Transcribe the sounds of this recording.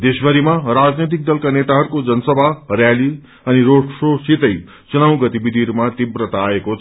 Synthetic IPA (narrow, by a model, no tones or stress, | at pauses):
d̪esbʌɾimaɾad͡znet̪̬ik̚d̪ʌlkanet̪aɦʌɾukod͡zʌnsʌbʱaɦɾjali | ʌniɾoɽsosit̪ʌj | t͡sunaw̃ɡʌt̪ibid̪ʱiɾumat̪ibɾət̪aːekot͡sʰ